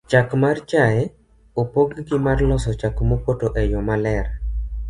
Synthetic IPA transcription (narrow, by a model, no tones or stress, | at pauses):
t͡ʃakmart͡ʃaɛ | opoɡɡɪmarlɔsɔt͡ʃakmopotoʔɛjɔmalɛɾ